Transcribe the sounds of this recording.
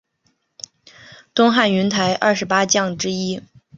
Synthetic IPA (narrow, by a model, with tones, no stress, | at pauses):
t̪ʊ˥ŋxa˥˩ny˧˥nt̪ʰa˧˥ɪʔɐ̰˥˩ʂɻ̩˧˥pa˥t͡ɕjɑ˥˩ŋʈ͡ʂɻ̩˥i˥